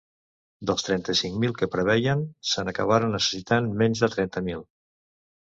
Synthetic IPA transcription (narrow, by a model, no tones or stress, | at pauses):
d̪əlˠst̪ɾɛnt̪əsiŋmilˠkəpɾəβ̞ɛjənsənəkəβ̞aɾənːəsə̥sit̪anmɛnzðət̪ɾɛnt̪əmilˠ